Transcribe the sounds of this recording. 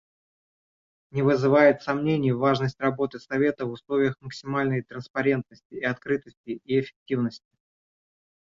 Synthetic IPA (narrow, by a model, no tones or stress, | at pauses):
nʲɪvɨzɨvajɪt̪sɐmnʲenʲɪjəvaʐnəsʲtʲrɐbo̞t̪ɨsɐvʲe̞t̪əvʊslˠo̞vʲɪjəxməksʲɪmalʲnəjt̪ɾənspɐɾʲe̞nt̪̚nəsʲtʲɪːɐt̪kɾɨt̪əsʲtʲɪʔiɪfʲɪ̥k̚tʲivnəsʲtʲɪ̥